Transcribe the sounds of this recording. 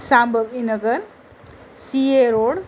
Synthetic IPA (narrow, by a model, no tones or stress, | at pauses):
sãːmbʱəbinəɡəɾ | sieɾoːɽ